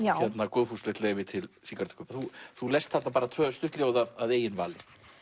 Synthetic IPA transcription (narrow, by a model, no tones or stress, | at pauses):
hɛt̪nakoːðfust̪lɛht̪leːjvɪt̪ʰɪlsiːkaɾt̪ʏ̥kʰːʏpaθuθulejst̪θat̪napaːɾat̪ʰvœːst̪ʏht̪lɪjoːwðaðaðeːjɪnvaːlɪ